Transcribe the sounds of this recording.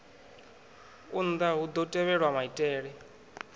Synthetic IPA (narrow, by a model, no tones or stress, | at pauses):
und̪aɦud̪ɔtʼɛβɛɺwamaitʼɛːɺɛ